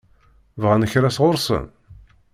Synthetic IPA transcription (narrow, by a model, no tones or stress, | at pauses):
vʁænəçɾæsʁʊɾsə̰n